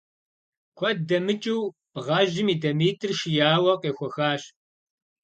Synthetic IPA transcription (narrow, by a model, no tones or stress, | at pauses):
kʷʰɐdɐmɨt͡ʃʼiw | b̥ʁɐʒɪmiːdɐmiːtʰʼɨrʃɪjaːwɐqʼeːxʷɔxaːɕ